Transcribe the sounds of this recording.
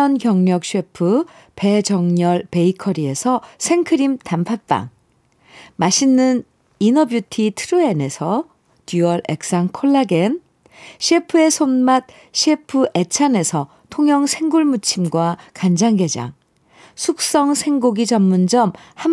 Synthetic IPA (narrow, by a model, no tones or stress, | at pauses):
ʌnkjʌŋɲʌk̚ɕ͈ʰiepʰɯ | pe̞d͡ʑʌŋɲʌɭpe̞ikʰʌɾie̞sʰʌsʰe̞ŋkʰɯɾimtampʰap͈a̰ŋ | maɕʰinːɯn | inʌbjutʰitʰɯɾue̞ne̞sʰʌ | tjuʌɾe̞̰k̚s͈aŋkʰoɭːaɡe̞n | ɕʰiepʰɯe̞sʰonmat̚ | ɕʰiepʰɯʔe̞t͡ɕʰane̞sʰʌ | tʰoŋjʌŋsʰe̞ŋɡuɭmut͡ɕʰimɡwakand͡ʑaŋɡe̞d͡ʑa̰ŋ | sʰuk̚s͈ʌŋsʰe̞ŋɡoɡid͡ʑʌmːund͡ʑʌmham